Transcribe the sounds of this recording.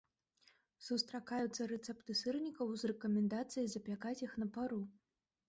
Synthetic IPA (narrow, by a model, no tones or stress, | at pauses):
sust̪ɾakajut̪sːɐɾɛt̪sɛpt̪ɨsɨrnʲikɐwzrɛkɐmʲɛnd̪at̪sɨjizɐpʲakat͡sʲjixnɐpaɾu